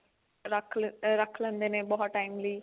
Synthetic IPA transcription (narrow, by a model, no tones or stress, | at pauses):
ɾəkʰɾɐkʰlə̃nd̪enẽbɔt̪ʈaːɪmliː